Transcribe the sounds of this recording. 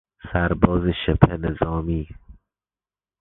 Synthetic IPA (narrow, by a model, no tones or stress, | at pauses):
sæɾbɔːzeʃepʰenezɒːmiː